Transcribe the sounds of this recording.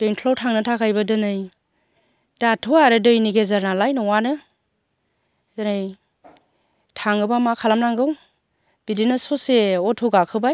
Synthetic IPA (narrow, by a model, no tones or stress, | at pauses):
b̥eŋtʰlowtʰaŋnɯtʰakʰajbadɯnɯj | d̥atʰuaɾɯdɯjniɡezaɾnalajnɔwanɯ | zanɯj | tʰaŋɯbamakʰalamnaŋɡɯw | b̥idinasɔseɔtʰuɡakʰɯbaj